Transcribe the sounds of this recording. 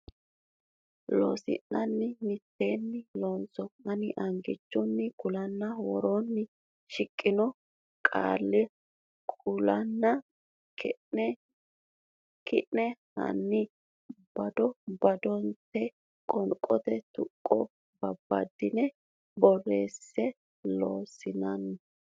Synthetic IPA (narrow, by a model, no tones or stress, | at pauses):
lo̰ːsɪ̰nːɐnːɪmɪt̪ːe̞ːnːɪloːnsɔɐnɪʔɐŋɡɪt͡ʃːʊnːɪkʊlɐnːɐwɔɾonːɪ | ʃɪkʼːɪnɔ | kʼa̰ːlːɛ | kʼʊlɐnːɐ | kɪʔnɛhɐ̰nːɪ | b̥ɐd̪ɔbɐd̪ɔnt̪ːɛ | kʼɔnkʼːɔt̪ɛt̪ʊkʼːɔ | bɐbːɐ̰d̪ɪnɛ | bɔreːsːɛ | lo̰ːsɪnɐnː